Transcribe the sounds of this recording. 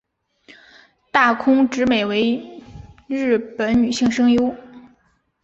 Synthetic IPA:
t̪a˥˩kʰʊ˥ŋʈ͡ʂɻ̩˧˥me˨˩ɪwe˧˥ɪ | ɻɻ̩˥˩pə˧˥nny˨˩ɕi˥˧ŋʂɤ˥ŋjo˥ʊ

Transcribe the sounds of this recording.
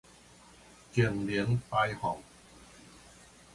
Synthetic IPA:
ke˨˩mli˨˦əŋpaː˧jhɔ˨˩˦ŋ

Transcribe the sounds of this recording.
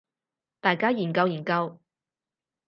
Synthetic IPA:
t̪aː˨jkaː˥jiː˨˩nkɐ˧wjiː˨˩kɐ˧w

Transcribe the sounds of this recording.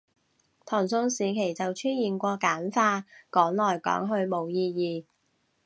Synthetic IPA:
t̪ʰɔː˨˩ŋsʊ˧ŋsiː˨kʰe˨˩jt͡sɐ˨wt͡ʃʰyː˥njiː˨˩nkʷɔː˧kaː˨˥nfaː˧kɔː˨˥ŋlɔː˨˩jkɔ̰ː˨˥ŋɦɵ˧ɥmo˨˩wjiː˧jiː˨

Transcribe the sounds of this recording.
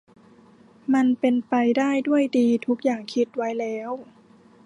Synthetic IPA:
ma˧npe˧npa˧jdaː˥˩jdu˥˩əjdiː˧t̪ʰu˦˥k̚jaː˨˩ŋkʰi˦˥t̪̚wa˦˥jlɛː˦˥w

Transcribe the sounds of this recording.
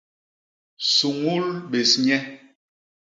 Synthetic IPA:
su˨ŋu˦lɓe˨sɲɛ˦

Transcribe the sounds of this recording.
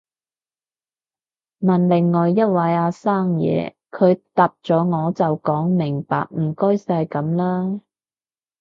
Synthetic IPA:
mɐ˨˩nlɪ˨˩ŋːɔː˨jːɐ˥t̚wɐ˨˧˥jaː˨˧saː˥˩ŋjɛ̰ː˨˧ | kʰɵ˨˧ɥt̪aː˨p̚t͡ʃɔː˨˥ŋɔː˨˧t͡sɐ˨wkɔː˨˥ŋmɪ˨˩ŋpa̰ː˨k̚m̩˨˩kɔː˥jsaː˧jkɐ˨˧˥mlaː˥

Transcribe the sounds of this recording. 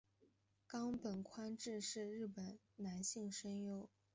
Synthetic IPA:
kɑ˥ŋpə˨˩nkʰwa˥nʈ͡ʂɻ̩˥˧ʂɻ̩˥˧ɻɻ̩˥˩pə˨˩n | na˧˥nɕi˥˩ŋʂə˥njo˥ʊ

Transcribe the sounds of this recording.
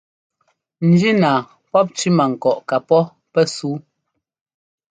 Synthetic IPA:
n̩˨d͡ʒi˦naː˨ | pɔ˦p̚t͡ʃi˦ma˨ŋ̩˨kɔ˨ʔka˨pɔ˦ | pɛ˦suː˨˦

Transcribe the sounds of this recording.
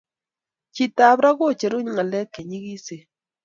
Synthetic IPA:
t͡ʃi˦˨ta˨bɾa˦ko˦˨t͡ʃe˨ɾu˦ɲ˦˨ŋa˨lɛ˦ke˨ɲi˦ɣi˦se˨

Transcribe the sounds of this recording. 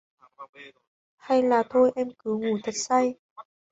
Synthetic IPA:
ha˧jlaː˨˩t̪ʰo˧jʔɛ˧mkɨ˨˦ŋu˧˩t̪ʰə˨˩t̚sa˧j

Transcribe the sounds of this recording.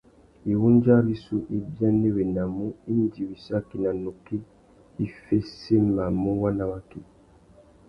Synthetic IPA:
i˨wu˦n˦d͡ʒa˦ɾi˦su˦ʔi˦bja˦ne˦we˨na˨mu˦i˦n˦di˨wi˨sa˦ki˨na˨nu˨ki˦ | i˦fe˦se˦ma˨mu˦wa˦na˦wa˦ki˨

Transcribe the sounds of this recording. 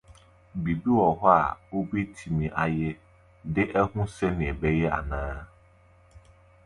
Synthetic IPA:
bi˨bi˦wɔ˨ɦɔ˦a̰˨o˦be˦tʰi˨mĩ˨ʔa˨jɪ˦ | dɪ˦ʔɛ˦hũ˦sɛ˦nɪ̃˨ɛ˨bɛ˦jɛ˦a̰˨nãː˦

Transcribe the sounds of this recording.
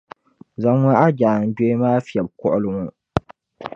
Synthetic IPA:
za˨ŋa˦a˦d͡ʒaː˨n̩˨do˦i˦maː˦fi˨ɛ˨b̚kɔ̰˦ʔʊ˦lʊ˨ŋu˦˨

